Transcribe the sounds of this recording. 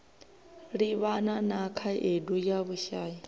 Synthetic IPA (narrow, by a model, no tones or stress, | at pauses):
ɺiβananakʰaʔedujaβuʃaːji